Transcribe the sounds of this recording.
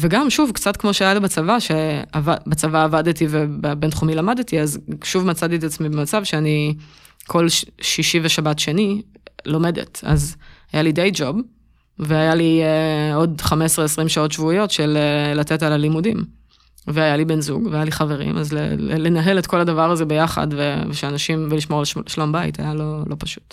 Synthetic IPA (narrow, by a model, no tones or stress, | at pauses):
veɡamʃuvkt͡satkmo̞ʃeajalibat͡savaʃeavabat͡savaːvadtivebbentχumilamadtiazʃuvmat͡saditat͡smibemat͡savʃeani | kʰo̞lʃiʃiveʃabatʃe̞ni | lo̞me̞dḛta̰zajalidejd͡ʒo̞b | veajalieo̞dχamesʁeesʁimʃao̞tʃvuijo̞tʃelelate̞talalimudim | veajalibe̞nzuɡveajaliχave̞ʁḭmazlḛele̞naɦe̞letko̞ladavaʁaze̞bejaχa̰dveveʃeanaʃimveliʃmo̞ʁlʃlombaj̰tʰa̰jalo̞lo̞paʃu̥t